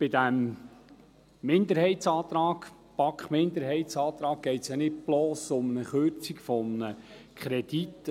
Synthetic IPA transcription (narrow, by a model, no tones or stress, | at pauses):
b̥ɪd̪æm | ɪnd̪əɾhɛɪtt͡sɑːt̪ɾɑːɡ̥ | pɑkχmɪnd̪əɾɦɛɪsɑːt̪ɾɑːk̚ːɛɪt̪sjanɪt̚ploːsʊmnəχøɾt͡sikfɔmnə | kχɾɛd̥̪it̪ː